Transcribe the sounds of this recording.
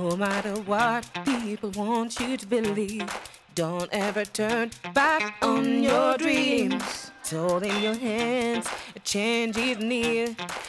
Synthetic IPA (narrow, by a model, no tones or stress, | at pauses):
noʊmæɾə˞wʌt̚pipl̩ˠwɑ̃nt͡ʃɨɾəbɨliv | dõʊ̃ntɛvə˞tʰɜ̃˞nbæknjə˞dɹĩmz̥tʰoʊlˠdɪ̃ŋjə˞ɦæ̃ndz̥ɨt͡ʃʰẽɪ̃nd͡ʒɪnɪɹ